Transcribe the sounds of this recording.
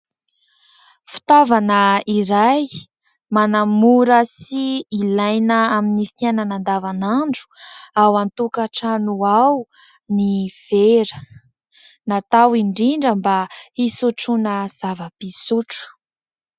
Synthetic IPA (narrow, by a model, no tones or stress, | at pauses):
fi̥t̪avanəiɾaj | manamuɾəsiːlajnəaminifit̪ananand̪avanaɳɖ͡ʐu̥awant̪ukaʈ͡ʂanuaw | niv̥eɾə | nat̪awiɳɖ͡ʐiɳɖ͡ʐəmbaisuʈ͡ʂunəz̥avəpisuʈ͡ʂu̥